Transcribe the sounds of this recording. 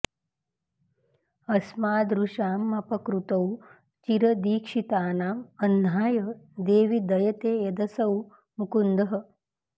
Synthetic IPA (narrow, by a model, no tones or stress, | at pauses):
ɐsmaːd̪ɾuʃaːmːɐpɐkɾut̪ɐw | t͡ʃiɾɐd̪iːkʂit̪aːnaːmɐnːaːjɐd̪eːʋid̪ɐjɐt̪eːjɐd̪ɐsɐw | mukund̪ɐɦɐ̆